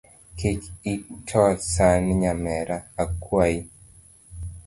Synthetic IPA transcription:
ket͡ʃitʰɔsanɲamɛɾaːkwai

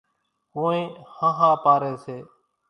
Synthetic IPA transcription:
koːĩːhãɦãːpaːɾeːseː

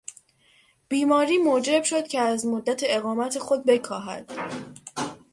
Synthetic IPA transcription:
b̥iːmɒːɾiːmod͡ʒe̞b̥ʃo̞d̪̥cʲʰe̞æzmod̪ːæt̪ʰeeɣɒːmæt̪ʰe̞xod̪̚be̞kʰɒːɦæ̰d̪̥

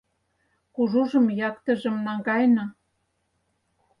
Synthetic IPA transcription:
kuʒuʒɤ̆mjɑkt̪ə̆ʒə̆mnɑŋɡɑjnɑ

